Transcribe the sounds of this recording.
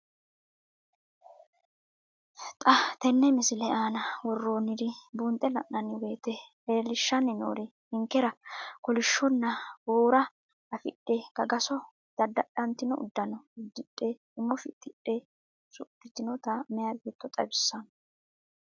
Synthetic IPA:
t̪ʼɐt̪ɛnːɛmɪsɪlɛaːnɐwɔrːoːnɪd̪ɪbuːnt̪ʼɛlɐ̰ʔːɐnːɪweːt̪ɛʔeːlɪʃːɐnɪno̰ːɾɛ | ɪŋkːɛɾɐkɔlɪʃːɔnːɐwoːɾɐ | ɐfɪ̰ɗːeːkɐɡɐsɔ | d̪̥ɐd̪ːɐɗɐnt̪ɪnɔʊ̰d̪ːɐnɔd̪ɪᶑʼːeː | ɪmːɔfɪt̪ːɪᶑʼːe | sʊʔɪt̪ɪnɔt̪ɐmɛjɐbet̪ːɔt̪ʼɐbɪsːɐnɔ

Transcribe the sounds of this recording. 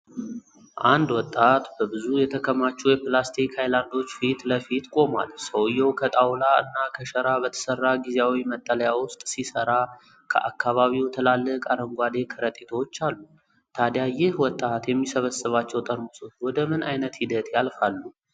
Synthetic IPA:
ʔand̪wɔt̪ʼːat̪bəbɨzujɛt̪ʰəkʰəmːat͡ʃːujɛpɨlast̪ʰikhajland̪o̞t͡ʃːfit̪ləfit̪kʼo̞ma̰lsəwjːɛwkʰət̪ʼawlaɨ̰nːakʰəʃəɾabət̪ʰə̥sərːaɡizeawimət̪ʼːələjawʊst̪ʼsisəɾa | kʰə̰ʔakːaβaβiwt̪ʰəlalːəkʼaɾəŋɡʷad̪e̞kʰəɾət̪ʼet̪ʰawot͡ʃːalːu | t̪ʰad̪jajɪhwɔt̪ʼːat̪jɛmːisəβəsɨβat͡ʃːɛwt̪ʼəɾmusʼowɔd̪əmɨnʔajnət̪hid̪ət̪jalfalːu

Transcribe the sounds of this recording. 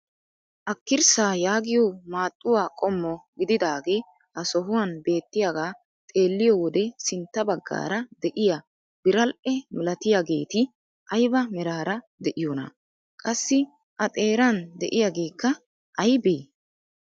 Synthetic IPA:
ʔɐkːɪɾsaːjaːɡɪjoːmaːt̪ʼːʊwaːkʼɔmːɔɡɪd̪ɪd̪aːɡeː | ʔɐsɔɦʊwaːnbe̞ːt̪ːɪjaːɡaː | t̪ʼe̞ːlːɪjɔwɔd̪ɛsɪnt̪ːɐbɐɡːa̰ːɾɐd̪ɛʔɪja | b̥ɪɾɐlʔɛmɪlɐt̪ɪjaɡe̞ːt̪ɪ | ʔɐjbɐmɪɾaːɾɐ | d̪ɛʔɪjoːnɐ̰ | kʼɐsːɪ | ʔɐt̪ʼe̞ːɾɐnd̪ɛʔɪjaːɡe̞ːkːɐ | ʔɐjbeː

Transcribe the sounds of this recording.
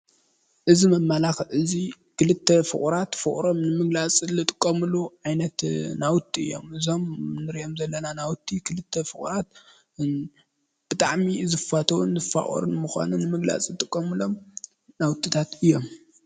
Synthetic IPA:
ʔɨzimɐmːalaxɐlʔɨzi | kʰɨlɨt̪ʰːɐfɨ̰χʼuɾat̪fɨχʼɾo̞mnɨmɨɡlat͡sʼɨlɨt̪ʼɨ̥kʼːɐmɨluʕajnɐt̪nawʊt̪ʰʼːiɨ̰jːo̰mʔɨzo̞mnɨɾijomzɐlːɐnanawt̪ʰːikʰɨlɨt̪ʰːɐfɨχʼṵɾat̪̚ | b̥ɨt̪ʼaʕmizɨfat̪ʰɐwṵnzɨfa̰ʔʼo̰ɾɨnmuxʷa̰nunɨmɨɡla̰t͡sʼɨt̪ʼɨkʼːɐmɨlo̞m | nawt̪ʰːit̪ʰat̪ɨjːo̞m

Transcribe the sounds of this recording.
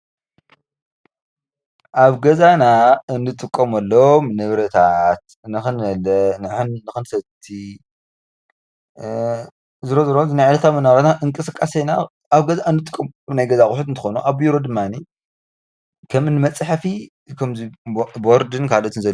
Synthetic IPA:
ʔaβɡɐzanaɨnːɨt̪ʼɨkʼːɐmɐlːomnɨβɾɐt̪ʰat̪̚ | nɨxɨnɐlɐnɨħɨnnɨxɨnsɐt̪ʰi | zɨɾozɨɾozɨnajʕalɐt̪ʰamɐnaβɾat̪naʔɨŋkʼɨsɨkʼːasejnaː | βɡɐzaɨnːɨt̪ʼɨkʼːɐmaβnajɡɐzakʼʊħut̪ɨnt̪ɨxonuʔaβiɾo̞d̪ɨmːani | kʰɐmɨnɨmɐt͡sʼːaħafi | kʰɐmziboɾd̪ɨnkʰalot̪ɨnzɐl

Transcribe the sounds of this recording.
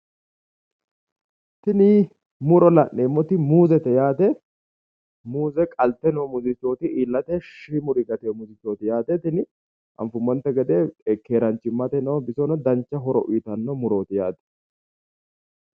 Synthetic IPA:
t̪ɪnɪ | mʊɾɔlɐnːeːmːɔt̪ɪmuːzɛt̪ɛjaːt̪ɛ | muːzɛkʼɐlt̪ːɛnomʊzɪt̪ːo̞ːt̪ɪiːlːɐt̪ɛʃimʊɾɪɡɐt̪emʊzɪt̪ːoːt̪ɪjaːt̪ɛt̪ɪnɪ | ʔɐ̰ɱfʊmːɔnt̪ːɛɡɛd̪eɛkːeːɾɐnt͡ʃːɪmːɐt̪ɛnɔːbɪsɔnɔd̪ɐnt͡ʃːɐɦɔɾɔ̰ʔʊːt̪ɐnːɔmʊɾoːt̪ɪjaːt̪ɛ̥

